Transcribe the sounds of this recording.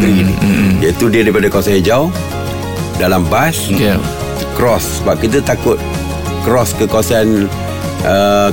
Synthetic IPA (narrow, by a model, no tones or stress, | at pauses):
ɡɾinijait̪udiədaɾipadakawasaid͡ʒaw | dalambas | kɾɔssəbap̚kit̪̬ət̪akʊt̪̚ | kɾɔskəkawasan | ə